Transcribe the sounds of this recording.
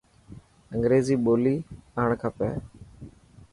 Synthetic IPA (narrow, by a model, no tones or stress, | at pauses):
əŋɡɾeːziːɓoːliːaːɳkʰaːpɛ̰ː